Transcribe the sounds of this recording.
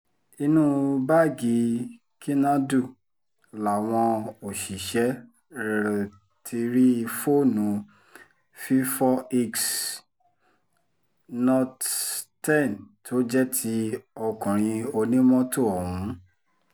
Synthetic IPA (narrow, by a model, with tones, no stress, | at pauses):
i˧nũ˦ba˦˨ɡi˨˦ | ki˦nã˦du˦˨ | la˨w̃ɔ̃˧o˨ʃi˨ʃɛ˨˦˨ | tʰi˧ɾi˦˧fo˦˨nũ˨˦ | fi˦fɔ˦i˦ks | nɔ̃˧ttɛ˦˨ntʰo˨˦d͡ʒɛ˦tʰi˦ɔ˧kũ˨ɾ̃ĩ˧o˧nĩ˦mɔ̃˦to˦˨ɔ˨wũ˨˦